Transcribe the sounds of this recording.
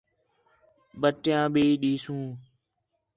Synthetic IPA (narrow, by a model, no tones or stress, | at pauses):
ɓəʈjãːɓeːɗiːsũː